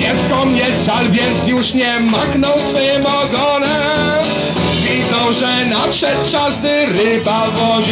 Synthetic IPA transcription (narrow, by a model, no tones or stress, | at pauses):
jɛst̪kɔmɲɛsʂalvʲjɛnt̪sjuʂɲɛmaknɔ̃w̃sfɔjɛmɔɡɔnɛ | vʲid̪zɔ̃w̃ʐɛnapʂɛt̪̚ʂazd̪ɘɾɪbavwɔʑ